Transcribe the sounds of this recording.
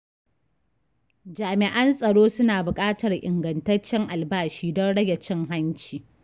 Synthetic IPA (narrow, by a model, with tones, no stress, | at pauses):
d͡ʒaː˨mɪ˨ʔɐ˦nsʼɐ˨ɽoː˦sʊ˦naː˨bʊ˨kʼaː˦tɐ˨rʔɪ˨ŋɡɐ˨ntɐ˦rt͡ʃːɪ˦ŋʔa˨lbaː˦ʃiː˦dɔ˦nɽɐ˦ɡʲe˨t͡ʃɪ˦ŋɦa˦nt͡ʃiː˨